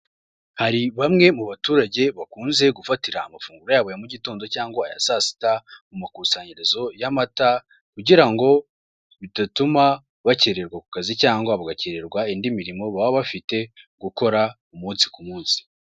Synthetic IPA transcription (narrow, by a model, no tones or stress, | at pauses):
haɾiβamŋe̞muβatuːɾaɟe̞βakuːnze̞ɡufatiɾaːmafuːŋɡuɾojaːβo̞jamuɟitoːndo̞caːŋɡoa̰ja̰sasi̥tamumakusaɲeɾezo̞jamata | kuɟiɾaŋɡo̞ | βitatuma | βaceɾe̞ɾɡwaku̥kazicaːŋɡwaβaɡaceɾe̞ɾɡwaindimiɾimo̞βaβaβafite̞ɡuko̞ɾa | umuːnsi̥kumuːnsi̥